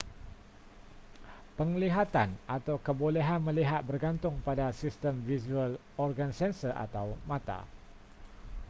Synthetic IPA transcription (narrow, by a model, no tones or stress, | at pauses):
pəŋliɦat̪anʔat̪awkəbolɛɦanmə̃liɦat̪̚bərɡant̪ʊŋpadasist̪əmvisual | ɔrɡansɛnsəʔa̰t̪awmãt̪a̰